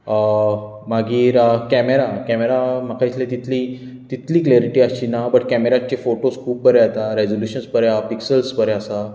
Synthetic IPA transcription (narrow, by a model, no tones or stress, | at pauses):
ə | maɡiːɾəkɛmeɾakɛmeɾamakʰait̪ʰlẽt̪it̪ʰli | t̪it̪liːkleɾiʈiːaɕiːnabəʈkæmeɾat͡ɕefoʈoskʰuːb̚bəɾeat̪aɾed͡zoljuɕənsbəɾeapiksəlspəɾeasa